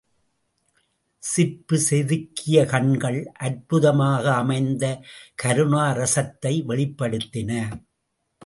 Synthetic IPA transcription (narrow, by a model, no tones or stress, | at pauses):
sɪpːɯsɛðɯkːɪjɐkɐɳɡɐɭʔɐɾpʊðɐmaːɣɐːmɐɪnd̪ɐkɐɾɯnaːɾɐsɐt̪ːɐɪʋɛɭɪpːɐɽɯt̪ːɪnɐ